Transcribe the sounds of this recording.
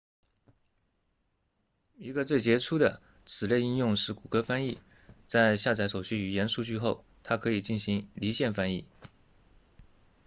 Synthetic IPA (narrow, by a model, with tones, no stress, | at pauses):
i˧˥ɡə˧t͡swe˥˩ɪt͡ɕjɛ˧˥ʈ͡ʂʰu˥d̪ə˨ | t͡sʰɹɻ̩˨˩le˥˧ɪi˥˧njʊ˥˧ŋʂɻ̩˥˩ku˨˩kɤ˥fa˥ni˥˩ | t͡sa˥˧ɪɕja˥˩t͡sa˧˥ɪʂo˨˩ʊɕy˥y˨˩jɛ˧˥nʂu˥˧t͡ɕy˥˧xo˥˩ʊ | t̪ʰa˥kʰɤ˧˥i˨˩t͡ɕi˥˩nɕi˧˥ŋli˧˥ɕjɛ˥˩nfa˥ni˥˩